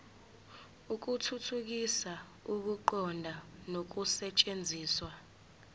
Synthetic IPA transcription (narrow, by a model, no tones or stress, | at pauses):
uk̬utʰutʰuk̬isa | uk̬uǃɔndʱanok̬usɛt͡ʃʼend͡zʱiːswa